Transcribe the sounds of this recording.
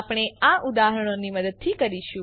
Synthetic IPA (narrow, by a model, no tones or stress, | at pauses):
pɽ̃eaʔud̪aɦəɾəɽ̃oniməd̪əd̪̚t̪ʰikəɾiʃũ